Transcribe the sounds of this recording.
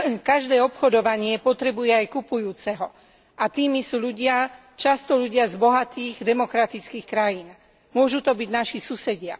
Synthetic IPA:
kaʒd̪ɛːɔpxɔd̪ɔʋaɲɪɛpɔt̪ɾɛbujɛajkupujuːt͡sɛɦɔ | ʔat̪iːmisuːʎuɟɪa | t͡ʃast̪ɔʎuɟɪazbɔɦat̪iːɣd̪ɛmɔkɾat̪it͡skiːxkɾajiːn | mʊɔʒut̪ɔbiɟnaʃisusɛɟɪa

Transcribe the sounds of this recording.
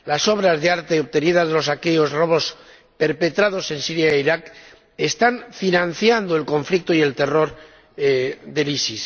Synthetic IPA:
laso̞βɾazðe̞aɾt̪e̞oβt̪e̞niðazðelo̞sake̞o̞zro̞βo̞s | pe̞ɾpe̞t̪ɾaðo̞se̞nsiɾjaeiɾak | e̞st̪aɱfinãn̟θjand̪oe̞lko̞ɱflik̚t̪oie̞lt̪e̞ro̞ɾ | ðe̞lisis

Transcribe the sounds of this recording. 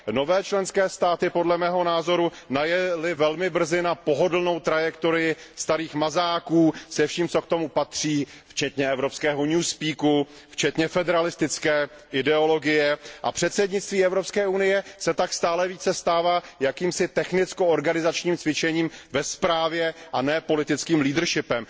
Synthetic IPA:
no̞vɛːt͡ʃlɛnskɛːst̪aːt̪ɪpo̞dlɛmɛːɦo̞naːzo̞ɾu | najɛlɪvɛlmɪbr̩zɪnapo̞ɦo̞dl̩no̞wt̪ɾajɛkt̪oɾɪjɪst̪aɾiːxmazaːkuːsɛfʃiːmt͡so̞kt̪o̞mupat̪r̝̥iː | ft͡ʃɛt̪ɲɛɛvɾopskɛːɦo̞ɲuːspiːku | ft͡ʃɛt̪ɲɛfɛdɛɾalɪst̪ɪt͡skɛː | ʔɪdɛo̞lo̞ɡɪjɛʔa̰pr̝̥ɛt̪sɛdɲɪt͡st̪viːɛvɾo̞pskɛːunɪjɛsɛt̪akst̪aːlɛviːt͡sɛst̪aːvaːjakiːmsɪt̪ɛxnɪt͡skooɾɡanɪzat͡ʃɲiːmt͡svɪt͡ʃɛɲiːmvɛspɾaːvjɛʔanɛːpo̞lɪt̪ɪt͡skiːmliːdr̩ʃɪpɛm

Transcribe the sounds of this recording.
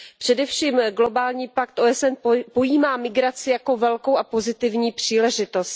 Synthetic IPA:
pr̥ɛdɛfʃiːmɡlo̞baːlɲiːpakt̪ʔoɛsɛnpo̞jiːmaːmɪɡɾat͡sɪjako̞vɛlko̞wʔapo̞zɪt̪ɪvɲiːpr̝̥iːlɛʒɪt̪o̞st̪

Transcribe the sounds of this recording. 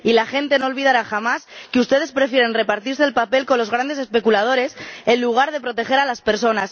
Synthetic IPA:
ilaxe̞nt̪e̞nolβið̞aɾaxamaskeust̪e̞ð̞e̞spɾe̞fje̞ɾe̞nre̞paɾt̪iɾse̞ːlpape̞lkonlo̞zɣɾand̪e̞se̞spe̞kulað̞o̞ɾe̞se̞nluɣ̞aɾð̞e̞pɾo̞t̪e̞xe̞ɾalaspe̞ɾso̞nas

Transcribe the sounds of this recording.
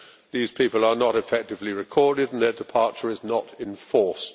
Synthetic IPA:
ðiːz̥pʰiˑpəlˠənəɾɪfɛk̚tɨvliɹɪkʰɔɹdɪd̃n̩ðədɪpʰɑɹt͡ʃəɹɪznəɾɪ̃ɱfɔɹst

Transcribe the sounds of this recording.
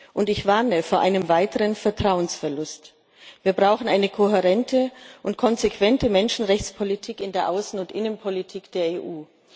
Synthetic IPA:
ʔʊntɪçv̥aɐnəfoːɐʔaɪnəmvaɪtəʁənfɛɐtʁ̥aʊənsfɛɐlʊst | viːɐbʁaʊxn̩ʔaɪnəkʰoɦeʁɛntʰəʔʊntkʰɔnzekv̥ɛntəmɛnʃn̩ʁɛçt͡spʰolitʰiːkɪndeːɐʔaʊsn̩ʊntʔɪnənpʰolitʰiːkd̥eːɐeːʔuː

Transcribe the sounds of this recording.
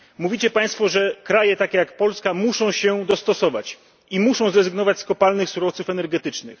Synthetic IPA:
muvʲit͡ɕɛpaj̃st̪fɔʐɛkɾajɛt̪akʲɛjakpɔlskamuʂɔ̃w̃ɕɛd̪ɔst̪ɔsɔvat͡ɕ | imuʂɔ̃w̃zɾɛzɘɡnɔvat͡ɕskɔpalnɘxsuɾɔft̪sufɛnɛɾɡɛt̪ɘt͡ʂnɘ̰x

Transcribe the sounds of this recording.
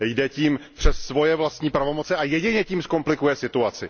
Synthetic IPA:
jdɛciːmpr̥ɛsːvo̞jɛvlast̪ɲiːpɾavo̞mo̞t͡sɛʔajɛɟɪɲɛciːmsko̞mplɪkujɛsɪt̪uat͡sɪ

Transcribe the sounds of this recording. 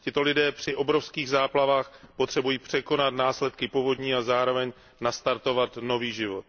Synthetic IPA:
cɪt̪o̞lɪdɛːpr̝̥ɪʔo̞bɾo̞fskiːɣzaːplavaːxpo̞t̪r̝̥ɛbujiːpr̝̥ɛko̞nat̪naːslɛt̪kɪpovo̞d̪ɲiːazaːɾo̞vɛɲ | nast̪aɾt̪o̞vat̪no̞viːʒɪvo̞t̪̚

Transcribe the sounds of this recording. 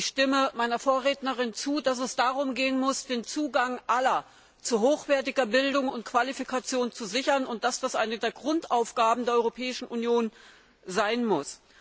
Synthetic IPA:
çʃtɪməmaɪnɐfoːɐʁeːtnəʁɪnt͡suːdas̬ɛsd̥aːʁʊmɡeːənmʊsd̥eːnt͡suːɡaŋʔalɐ | t͡suɦoːxv̥ɛːɐtɪɡɐbɪldʊŋʊntkv̥alifikat͡sjoːnt͡suzɪçɐnʊnt̚d̥asd̥asʔaɪnədeːɐɡʁʊntaʊfɡ̥aːbm̩deːɐɔʁopʰɛːɪʃn̩ʔunjoːn | zaɪnmʊs

